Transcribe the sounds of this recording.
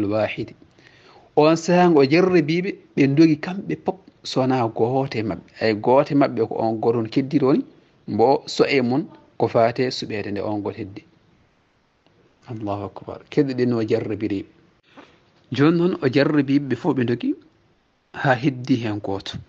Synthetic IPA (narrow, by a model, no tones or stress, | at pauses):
lwaːħid | ʔɔnsaŋɡɔɔd͡ʒarːɛbiɓɛɓɛndoɡikamɓɛpɔp̚sɔnaɡɔtɛmaɓːɛajɡɔtɛmaɓːɛkɔ̰ʔɔ̰nɡɔtɔnkedːiɾwoni | mbɔsɔʔɛmun | kɔfatɛsuɓɛtɛndɛ̰ʔɔnɡɔtedːɛ | ɑlːaːhuakba̰ɾkeɗɛɗɛnɔd͡ʒarːɛbiɾiɓ | d͡ʒɔnːɔnɔd͡ʒarːɛbiɓɓɛfɔɓɛndoɡi | haɦedːiɦɛnɡɔːtɔ̥